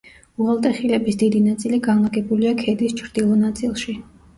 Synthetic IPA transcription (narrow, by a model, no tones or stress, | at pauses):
uʁalˠt̪ʼɛχilɛbisd̪id̪inat̪sʼiliɡanlˠaɡɛbuliakʰɛd̪ist͡ʃʰɾd̪ilˠɔnat̪sʼilˠʃi